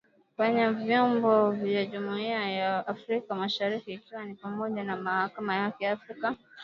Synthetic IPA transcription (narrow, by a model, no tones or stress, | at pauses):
faɲavjɔmbɔvjaʄumuiajaːfɾikamaʃaɾikiːkiwanipamɔʄanamahakamajakijaafɾika